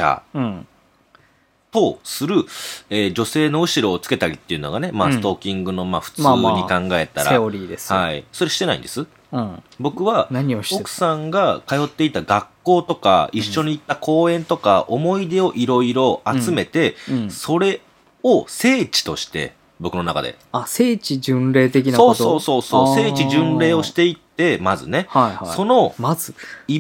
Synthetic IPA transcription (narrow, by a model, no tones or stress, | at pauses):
ã̰ | t̪o̞sɨɾɯ̟eːd͡ʑo̞se̞ːno̞ɯ̟ɕiɾo̞ːt͡sɨ̥ke̞t̪aɾʲit̪ːe̞iɯ̟no̞̰ɡane̞masɨ̥t̪o̞kʲːĩŋɡɯ̟no̞maːɸɯ̟̥t͡saɨːɲikãŋɡae̞t̪aɾaeoɾʲiːd̪eshaḭso̞ɾe̞ɕi̥t̪e̞naḭ̃nd̪esɨ̃ | bo̞kɯ̟βanaɲio̥kɯ̟̥sãŋɡakajo̞t̪ːe̞it̪aɡakːo̞ːt̪o̞ka̰iɕːo̞ɲ̟iːt̪ːakʰo̞ːẽ̞nt̪o̞ka̰ʔomo̞id̪e̞o̞ʔiɾo̞iɾo̞at͡sɨme̞t̪e̞so̞ɾe̞ | ose̞ːt͡ɕi̥t̪o̞̰ɕi̥t̪e̞̰ | bo̞kɯ̟no̞naka̰d̪e̞̰ | aseːt͡ɕid͡ʑɨ̃nɾe̞ːt̪ek̬ʲinasoːsoːso̞ːsoːse̞ːt͡ɕiʑɨ̃nɾe̞ːo̞ɕi̥t̪e̞it̪ːe̞mazɨ̰ne̞haihaso̞no̞mazɨi